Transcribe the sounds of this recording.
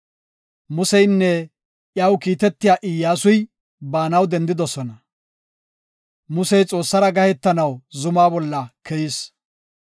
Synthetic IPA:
mʊsɛjnːɛ | ʔjɐwkiːt̪ɛt̪ːɪjaːʔɪjːaːsʊj | baːnɐwd̪ɛnd̪ɪd̪ɔsɔnɐ | mʊsɛjt͡sʼo̞ːsːɐɾɐɡɐhɛt̪ːɐnɐwzʊmaːbɔlːɐkʰɛjɪs

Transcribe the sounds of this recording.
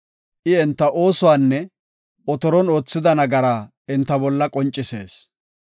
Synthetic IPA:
ʔɪɛnt̪ːɐʔo̞ːsʊwaːnːɛ | ɔt̪ɔɾɔno̞ːt͡sːɪd̪ɐnɐɡɐɾa | ɪnt̪ːɐbɔlːɐkʼɔnt͡ʃʼːɪse̞̰ːs

